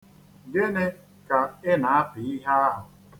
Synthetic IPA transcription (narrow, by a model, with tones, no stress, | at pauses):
ɡɪ˦ne˦ | ka˨ɪ˦na˨a˦pɪ˨i˦ɦa˦a˦ɦʊ˨